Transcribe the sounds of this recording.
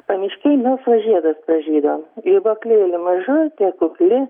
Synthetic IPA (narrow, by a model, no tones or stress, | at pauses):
pɐnʲɪʃʲkʲɛɪnoːsʋɐʒʲiɛd̪ɐsprɐʒʲiːd̪oːmɪboːklʲɪlʲɪmɐʒʊt̪ʲiɛkʊklʲɪ